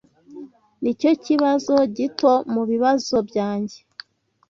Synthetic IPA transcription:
nico̞ciβazo̞ɟito̞muβiβazo̞bjaːɲɟe̞

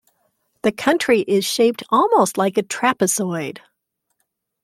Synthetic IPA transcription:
ðɨkʰʌ̃nt͡ʃɹ̥iʔɪz̥ʃeɪp̚tʰɔlˠmoʊstˡlaɪkɨtʰɹ̥æpɨsɔɪd̥

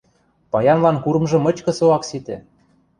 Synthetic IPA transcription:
pɑjɑnlɑnkuɾɤ̆mʒɤ̆mɤ̆t͡ɕkɤ̆soɑksit̪ĕ

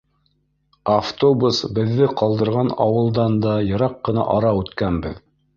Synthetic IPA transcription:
aft̪obusbɘ̆ðːɘqɑlˠd̪ɤ̆ɾʁɑnɑ̰wɤ̆lˠd̪ɑnd̪ɑjɤ̆ɾɑqːɤ̆nɑ̰ʔɑɾɑʉt̪kænbɘ̰ð

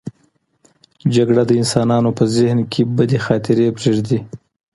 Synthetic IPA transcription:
d͡ʒaɡɽad̪əɪnsɑnɑnopəzɪhnkʰebəd̪exɑt̪ɪɾepɾeʐd̪i

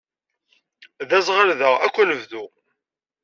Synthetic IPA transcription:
ðæzˤʁəɾðəʁækʷːæləvðu

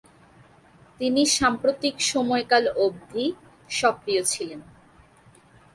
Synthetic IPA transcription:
t̪iniʃampɾot̪ikʃɔmɔekalob̚d̪ʱi | ʃɔkɾijot͡ɕʰilen

